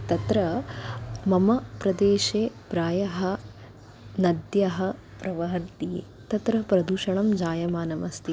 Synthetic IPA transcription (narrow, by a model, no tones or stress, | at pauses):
t̪ɐt̪ɾɐ | mɐmɐpɾɐd̪eːʃeːpɾaːjɐɦɐ | nɐd̪jɐɦɐ | pɾɐʋɐɦɐɾt̪ijḛːt̪ɐt̪ɾɐpɾɐd̪uːʃɐɳɐmd͡ʒaːjɐmaːnɐmɐst̪i